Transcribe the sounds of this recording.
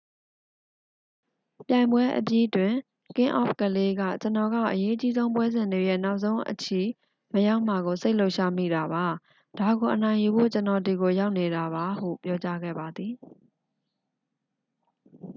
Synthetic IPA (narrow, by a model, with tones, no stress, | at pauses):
pjã˨ɪ̃mbwɛ˦ʔə̰pji˦twɪ̃˨ | kɪ̃˦ʔɔ̰˦˨pkəle˦ɡa̰˦˨t͡ɕənɔ˨ɡa̰˦˨ʔəje˦ʔət͡ɕi˦zõ˦ʊ̃pwɛ˦zɪ̃˨nde˨jɛ̰˦˨na˦ʊʔsõ˦ʊ̃ʔət͡ɕʰi˨ | məja˦ʊʔm̥a˨ɣo˨se˦ɪlo˦ʊʃa˦mḭ˦˨da˨ba˨ | d̥a˨ɡo˨ʔənã˨ɪ̃ju˨bo̰˦˨t͡ɕənɔ˨d̪i˨ɡo˨ja˦ʊʔne˨ɾa˨βa˨˦hṵ˦˨pjɔ˦t͡ɕa˦ɡɛ̰˦˨ba˨d̪ði˨